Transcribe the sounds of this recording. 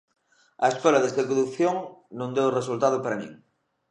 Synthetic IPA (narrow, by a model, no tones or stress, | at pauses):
ɐeskolɐðezðekoðukθjoŋnõŋd̪ewres̬ult̪að̞ʊpaɾɐnḭ̃ŋ